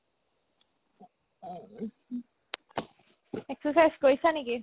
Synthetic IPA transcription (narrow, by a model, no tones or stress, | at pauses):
eksəsajskojsaniki